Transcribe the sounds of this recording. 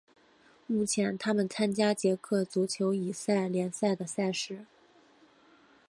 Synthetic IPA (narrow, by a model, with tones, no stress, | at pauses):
mu˥˩t͡ɕʰjɛ˧˥nt̪ʰa˥mə˨nt͡sʰa˥nt͡ɕja˥t͡ɕjɛ˧˥kʰɤ˥˩t͡su˧˥t͡ɕʰjo˧˥ʊi˨˩sa˥˩ɪljɛ˧˥nsa˥˩ɪd̪ə˩sa˥˩ɪʂɻ̩˧˥˦